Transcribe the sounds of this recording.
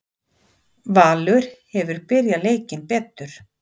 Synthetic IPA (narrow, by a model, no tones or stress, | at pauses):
vaːlʏɾ̥hɛvʏɾpɪɾjaleːjcɪnpɛːt̪ːʏɾ̥